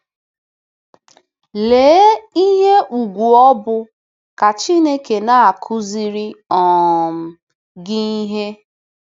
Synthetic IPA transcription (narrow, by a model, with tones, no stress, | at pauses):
leː˨˦i˦ɦe˦ʔu˨ɡʷu˨ɔ˦bʊ˦ | ka˨t͡ʃi˦ne˦ke˨na˦a˨kʰʊ˦zi˦ɾi˦ɔ˨m̩˨ | ɡɪ˦i˦ɦe˦